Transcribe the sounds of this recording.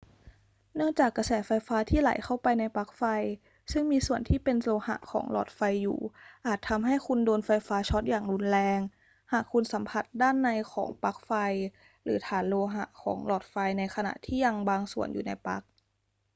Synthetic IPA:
nɯ˥˩əŋt͡ɕaː˨˩kːa˧sɛː˩˦fa˧jfaː˦˥t̪ʰiː˥˩la̰˨˩˦jxʰa˥˩wpa˧jna˧jpa˦˥k̚fa˧j | sɯ˥˩ŋmiː˧su˨˩ənt̪ʰiː˥˩pe˧nloː˧ha̰˧˩ʔkʰɔ̰ː˩˦ŋlɔ̰ː˨˩t̪̚fa˧jːṵː˨˩ʔaː˨˩t̪ʰːa˧mɦa˥˩jkʰu˧ndoː˧nfa˧jfaː˦˥t͡ɕʰɔ˦˥t̪̚jaː˨˩ŋlu˧˥nlɛː˧ŋ | haː˨˩kʰːu˧nsa˩˦mpʰa˨˩t̪̚daː˥˩nːa˧jkʰɔ̰ː˩˦ŋpa˦˥k̚fa˧j | ɾɯ̰ː˩˦t̪ʰaː˩˦nloː˧ɦa̰˧˦ʔkʰɔ̰ː˩˦ŋlɔː˨˩t̪̚fa˧jna˧jxʰa˧na̰˨˩ʔt̪ʰiː˥˩ja˧ŋbaː˧ŋsu˨˩ənjuː˨˩na˧jpa̰˦˥k̚

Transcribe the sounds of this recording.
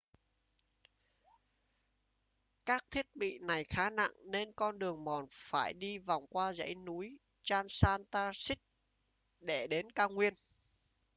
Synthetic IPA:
kaː˦˥k̚t̪ʰi˦˥ət̚ɓḭ˧˨na˨˩jxaː˨˦na̰˧˨ŋne˧nkɔ˧nɗɨ˨˩əŋmɔ˨˩nfaː˧˩jɗi˧va˨˩wŋ͡mkwaː˧zə̰˧˥jnu˨˦j | t͡ɕaː˧nsaː˧nt̪aː˧sï˦˥k̚ | ɗe˧˩ɗe˨˦nkaː˧wŋwi˧ən

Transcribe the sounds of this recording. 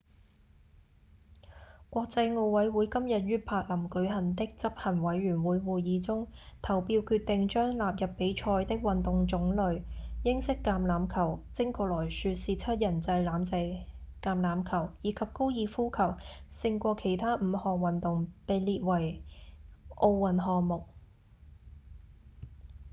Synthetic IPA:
kʷɔː˧k̚t͡sɐ˧jŋo˧wwɐ˨˥jwuː˨˥jkɐ˥mjɐ˨t̚ɥyː˥pʰaː˧k̚lɐ˨˩mkɵ˨˥ɥɦɐ˨˩nt̪ɪ˥k̚t͡sɐ˥p̚hɐ˨˩nwɐ˨˧˥jɥyː˨˩nwuː˨˧jwuː˨jjiː˨˧t͡sʊ˥ŋt̪ʰɐ˨˩wpiː˧wkʰyː˧t̪̚ːɪ˨ŋt͡ʃœː˥ŋlaː˨p̚jɐ˨pːe˨˥jt͡ʃʰɔː˧jt̪ɪ˥k̚wɐ˨nt̪ʊ˨ŋt͡sʊ˨˧˥ŋlɵ˨˧ɥjɪ˥ŋsɪ˥kːaː˧mlaː˨mkʰɐ˨˩wt͡sɪ˥ŋkʰɔː˧lɔː˨˩jsyː˧tsiː˨˧t͡sʰɐ˥t̚jɐ˨˩nt͡sɐ˧jlaː˨˧mt͡sɐ˧jkaː˧mlaː˨˧˥mkʰɐ˨˩wjiː˨˧˥kʰɐ˨p̚ko˥wjiː˧fuː˥kʰɐ˨˩wsɪ˧ŋkʷɔː˧kʰe˨˩jt̪ʰaː˥m̩˨˧hɔː˨ŋwɐ˨nt̪ʊ˨ŋpe˨jliː˨t̚wɐ˨˩j | ʔo˧wwɐ˨˩nɦɔː˨ŋmʊ˨k̚

